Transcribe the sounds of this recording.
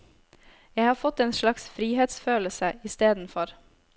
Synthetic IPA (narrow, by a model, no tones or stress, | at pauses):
jæɪhɑːɾfɔt̪eːnʃlɑksfɾiːheːt̪sføːləsəɪst̪eːd̪n̩fɔɾ